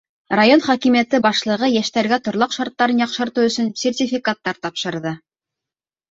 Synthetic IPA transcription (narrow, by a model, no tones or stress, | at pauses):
rajonχɒkimijæt̪ɘbɑʃlˠɤ̆ʁɤjæʃt̪æɾɡæt̪ŏɾlˠɑqʃɑɾt̪ːɑɾɤnjɑqʃɤ̆ɾt̪ɤwɵ̆sɵnsʲertʲifʲikat̪ːɑɾt̪ɑpʃɤ̆ɾðɤ